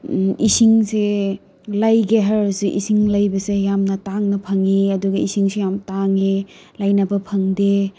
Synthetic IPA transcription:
isiŋse | lajɡeɦɐɾsuʔḭsiŋlɐjbɐsejamnɐtaŋnɐpʰɐŋiɐduɡɐisiŋsejamtaŋelajnɐbɐpʰɐŋde

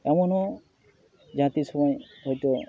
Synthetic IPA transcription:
ɛmɔnɔ | d͡ʒãt̪isɔmajɦɔjt̪ɔ

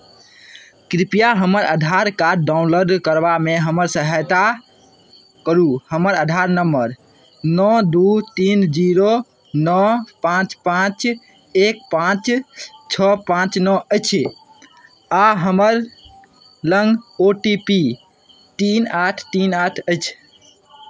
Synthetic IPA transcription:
kɾipijaɦəməɾə̰d̪ʱaɾkaːaunloɾɖkəɾbameɦəməɾsəɦajt̪a | kəɾuhəməɾəd̪ʱaɾnəmbəɾ | nɔd̪ut̪ind͡ʒiɾo | nɔpãt͡ʃpãt͡ʃ | ek̚pãt͡ʃt͡ʃʰɔpãt͡ʃnɔəɪt͡ʃʰ | aɦəməɾ | ləŋɡoʈipi | t̪inaʈʰt̪inaʈʰəɪt͡ʃʰ

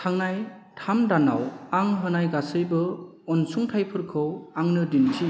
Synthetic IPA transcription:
tʰaŋnaj | tʰamdanawaŋɦɯnajɡasɯjbɯ | ɔnsuŋtʰajpʰɯɾkʰɯwaŋnɯdintʰi

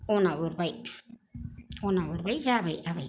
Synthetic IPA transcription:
onãβuɾβaj | onãβɨɾβajʒaβaiʔaβaj

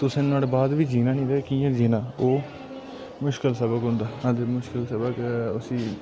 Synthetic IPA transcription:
t̪ʊsẽːnaːlːbaːd̪ʋiːd͡ʒiːnãːnĩːd̪ekiːãːd͡ʒiːnãːoː | mʊʃkəlsəbəkɦʊ̃nd̪aːãd̪emʊʃkəlsəbəkʊsiː

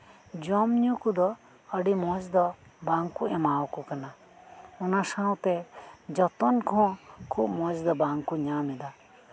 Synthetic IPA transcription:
d͡ʒɔmɲũkud̪ɔ | əɖimɔ̃d͡ʒd̪ɔbãŋkuɛ̃mawkukəna | unasãwt̪ɛd͡ʒɔt̪ɔnkʰɔ̃kʰubmɔ̃d͡ʒd̪ɔbaŋkuɲãmid̪a

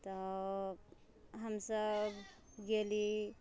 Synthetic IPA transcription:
t̪ɔ | ɦəmsəb | ɡeli

